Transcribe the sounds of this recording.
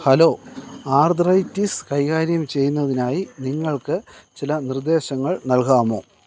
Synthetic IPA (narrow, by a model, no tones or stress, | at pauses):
hɐlo̞ːaːrd̪rɐjtːiskɐjɣaːɾjɐmt͡ɕe̞jːunːɐðinaːjiniŋːɐɭkɨt͡ɕilɐnird̪e̞ːɕɐŋːɐɭnɐlkaːmo̞ː